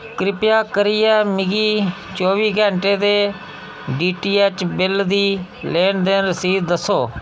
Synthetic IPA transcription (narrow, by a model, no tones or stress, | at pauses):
kɾɪpjaːkəɾɪjɛːmɪɡiː | t͡ʃoːʋiːɡɛ̃ːɳʈeːd̪eː | ɖiːʈiːɛːt͡ʃbɪld̪iː | leːnd̪eːnɾəsiːd̪d̪əsːoː